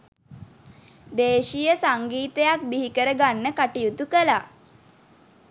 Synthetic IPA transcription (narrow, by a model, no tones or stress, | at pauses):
d̪eːʃijəsaŋɡiːt̪əjak̚biɦikəɾəɡanːəkaʈijut̪ukəla